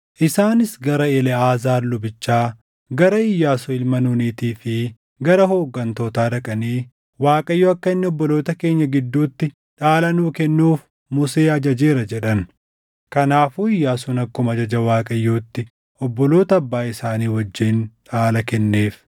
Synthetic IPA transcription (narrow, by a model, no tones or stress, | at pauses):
ʔɪsaːnɪsɡɐɾɐɪlɛaːzaːɾlʊbɪt͡ʃːaː | ɡɐɾɐɪjːaːsɔɪlmɐnuniːt̪iːfɪ | ɡɐɾɐɦo̞ːɡːɐnt̪o̞ːt̪aːᶑɐkʼɐniː | waːkʼɐjːoːɐkːɐɪnːɛɔbːɔloːt̪ɐke̞ːɲːɐɡɪd̪ːuːt̪ːɪ | ᶑaːlɐnuːkɛnːuːf | mʊse̞ːɐd͡ʒɐd͡ʒeːɾɐd͡ʒɛᶑɐn | kɐnaːfuːɪjːaːsunɐkːʊmɐd͡ʒɐd͡ʒɐwaːkʼɐjːoːt̪ːɪ | ɔbːɔlo̞ːt̪ɐːbːaːɪsaːniːwɐd͡ʒːiːnᶑaːlɐkɛnːeːf